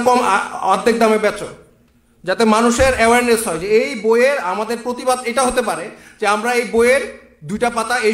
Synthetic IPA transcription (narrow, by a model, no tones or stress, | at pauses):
kɔmad̪ʱːek̚d̪ameɾbɛt͡ɕo | d͡ʑat̪emanuʃeɾɛwaɾnesɦɔed͡ʑeejbojeɾamad̪eɾpɾot̪ibad̪eʈaɦot̪epaɾed͡ʑeamɾaejboeeɾ | d̪ujʈapat̪ae